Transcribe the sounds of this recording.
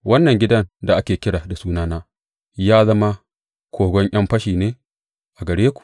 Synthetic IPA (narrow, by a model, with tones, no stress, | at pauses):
wɐ˦nːɐ˨ŋɡʲɪ˦dɐ˦nda˨ʔa˦kʲeː˨kʲɪ˦ɽaː˨da˨suː˦naː˦naː˦ | jaː˦zɐ˦ma˦ | kʷʰoː˨ɡʷɔ˦ɲʔɐ˦mɸɐ˦ʃiː˨neː˦ | ʔa˨ɡɐ˨ɽeː˦kʷu̥˨ʔ